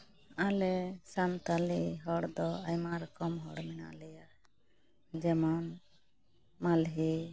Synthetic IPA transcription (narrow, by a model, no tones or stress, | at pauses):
alɛsant̪aliɦɔɽd̪ɔajmaɾɔkɔmɦɔɽmɛna̰lɛja | d͡ʒɛmɔn | malɦi